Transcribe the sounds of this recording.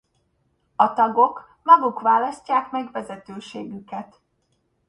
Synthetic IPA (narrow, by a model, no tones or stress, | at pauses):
ɒt̪ɒɡo̞k | mɒɡukʋaːlɒscaːkmɛɡvɛzɛt̪øːʃeːɡykɛt̪